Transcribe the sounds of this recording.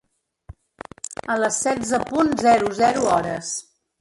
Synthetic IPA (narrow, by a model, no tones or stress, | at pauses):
ələsːɛzəpunzɛɾuzɛɾuɔɾə̰s